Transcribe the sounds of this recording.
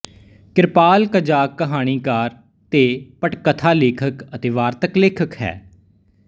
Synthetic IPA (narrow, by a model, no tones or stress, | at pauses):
kɪɾpaːlkəd͡ʒaːkːəɦaːɽ̃iːkaːɾ | t̪eːpəʈkət̪ʰaːleːkʰəkət̪eːʋaːɾt̪əkleːkʰəkɦɛ̰ː